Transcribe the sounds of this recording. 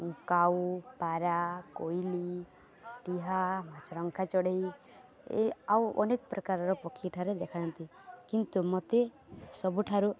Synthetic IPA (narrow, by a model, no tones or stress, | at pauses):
ukawpaɾakojli | ʈiɦamat͡ʃɔɾɔŋkʰat͡ʃɔɽej | ḛawʔɔ̰nekɔpɾɔkaɾɔɾɔpɔkʰːiʈʰaɾed̪ekʰaant̪i | kint̪umɔt̪e | sɔbuʈʰaɾu